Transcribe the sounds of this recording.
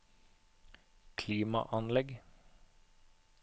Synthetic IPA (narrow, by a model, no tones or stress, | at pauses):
kʰliːmɑ̰ʔɑnlɛɡ